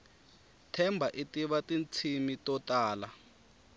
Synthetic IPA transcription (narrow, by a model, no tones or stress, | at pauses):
tʰɛmbʱaʔitiɓatint͡sʰimitɔtaːla